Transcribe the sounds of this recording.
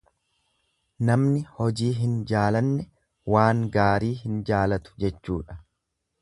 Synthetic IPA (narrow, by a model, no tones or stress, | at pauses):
nɐmnɪhɔd͡ʒiːɦɪnd͡ʒaːlɐnːɛ | waːŋɡaːɾiːhɪnd͡ʒaːlɐt̪ʊ̥d͡ʒɛt͡ʃːṵːᶑɐ̥